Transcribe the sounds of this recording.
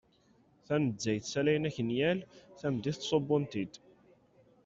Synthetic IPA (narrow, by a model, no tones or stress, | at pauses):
θænəzːæjθsælæjnæçənjælθæmd̪iθt̪ːsˤobːʊnt̪id̪